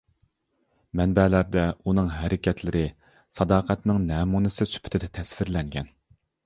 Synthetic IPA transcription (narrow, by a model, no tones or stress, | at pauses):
mɛnbɛlæɾd̪ɛunɨŋɦæɾɪkʲʰɛt̪ʰlɪɾɪ | sɑd̪ɑːqʰæt̪nɨŋnɛːmunɨsɨsy̥pʰɪ̥t̪ʰɪd̪ɛt̪ʰɛsfɪɾlɛŋɡʲɛn